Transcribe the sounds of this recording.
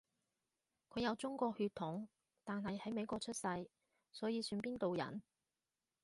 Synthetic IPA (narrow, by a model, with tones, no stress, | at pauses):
kʰɵ˨˧ɥjɐ˨˧wt͡sʊ˥ŋkʷɔː˧k̚hyː˧t̪ʰʊ˨˥ŋ | t̪aː˨nɦɐ˨jhɐ˨˥jme˨˧jkʷɔː˧k̚t͡ʃʰɵ˥t̚sɐ˧j | sɔː˨˥jiː˨˧syː˧npiː˥nt̪o˨wjɐ̰˨˩n